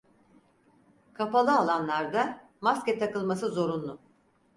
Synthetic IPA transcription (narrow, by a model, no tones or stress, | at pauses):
kʰapalˠɯalˠanlˠaɾd̪a | maskʲɛt̪ʰakɯlˠmasɯzo̞ɾunlˠʊ